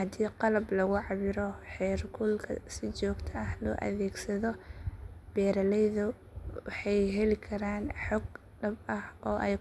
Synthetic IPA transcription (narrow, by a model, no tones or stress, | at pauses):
hɐd̪iːqɑlɐblɐɣʊʕɑβɪɾɔħɛːrkʰʊlkʰɐ̰sɪt͡ʃɔːɡt̪ʰɐɐhlɔ̰ːʔɐ̰ðɛːɡsɐðɔ | b̥ɛːɾɐlɛjðʊ | wɑħɑjɦɛlɪkʰɐɾaːnħɔɡ | ɖɐbɐhɔːʔɛj